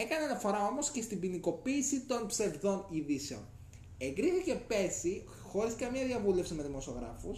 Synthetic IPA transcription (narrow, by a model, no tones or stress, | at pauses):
e̞kɐneɐnɐfo̞ɾɐo̞mo̞sce̞st̪ibiniko̞piːsit̪o̞npse̞vðo̞niðise̞o̰n | e̞ŋɡɾiθice̞pe̞si | xo̞ɾiskɐmɲɐðiɐvule̞fsime̞ðimo̞so̞ɣɾɐ̰fus